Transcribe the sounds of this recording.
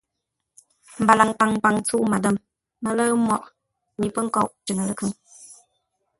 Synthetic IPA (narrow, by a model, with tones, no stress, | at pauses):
m̩˨ba˨la˨ŋpa˨ŋpa˨ŋt͡su˦˨ʔma˨də˦˨m | mə˨lə˦mwɔ˨ʔ | ɲi˨pə˦ŋ̩˦kɔ˦˨ʔt͡ʃi˨ŋə˨lə˨kʰɯ˦˨ŋ